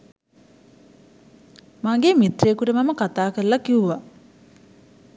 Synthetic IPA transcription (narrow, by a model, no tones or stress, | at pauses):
maŋɡemit̪rekuʈəmaməkat̪aːkəɾəlɐkiuʋa